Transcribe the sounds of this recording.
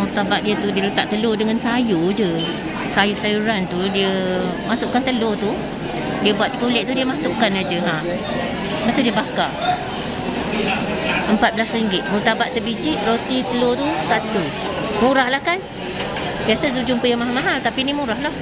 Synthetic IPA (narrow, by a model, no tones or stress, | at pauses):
murt̪abat̪̚diət̪udiəlut̪aʔt̪əlodəŋansajud͡ʒə | sajusajuɾant̪udiəmasʊʔkːant̪əlot̪u | diəbuat̪̚ːə̥kulɛʔ̚t̪udiəmasʊʔkanad͡ʒəɦã | bat̪udiəbaka | ʔəmpat̪̚bəlasriŋɡɪt̪̚murt̪abat̪̚səbid͡ʒiʔrot̪it̪əlot̪ut̪aʔt̪əlo | muɾahlahkan | biasəzud͡ʒumpəjaŋmaɦalmaɦalt̪apinimuɾahlah